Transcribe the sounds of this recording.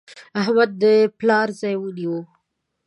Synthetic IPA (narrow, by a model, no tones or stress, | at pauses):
aɦmad̪ːəplɑɾzajwud̪iwo